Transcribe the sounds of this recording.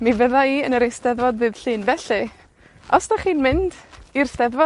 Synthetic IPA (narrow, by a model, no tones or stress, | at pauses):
mivəðaiənəɾejsdɛðvɔdvɨːð̥ɬɨːnvɛɬɨ | ɔsnaχiːnmɪndirsdɛðvɔ